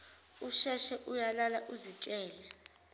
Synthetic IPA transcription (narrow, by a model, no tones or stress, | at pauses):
uʃɛʃɛʔujalalaʔuzit͡ʃʼɛːlɛ